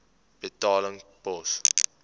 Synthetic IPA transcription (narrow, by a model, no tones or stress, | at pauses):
b̥ətɑːləŋpɔs